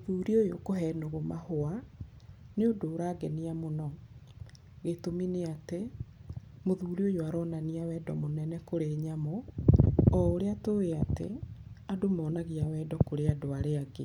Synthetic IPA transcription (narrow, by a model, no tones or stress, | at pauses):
moðuːɾiojokoɦɛnoɣomahoa | neodoːɾaːɡɛniamonɔ | ɣetomineate | moðuːɾiojoaɾɔnaniawɛːdɔmonɛnɛkoɾeɲamo | ɔoɾeatoeatḛadomɔːnaɣiawɛːdɔkoɾeadoaɾeaɡe